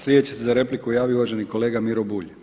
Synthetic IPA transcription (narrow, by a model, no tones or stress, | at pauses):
slʲed̪et͡ɕesezaɾe̞plikujaːʋiouʋaʒe̞niko̞le̞ːɡamiɾobuʎ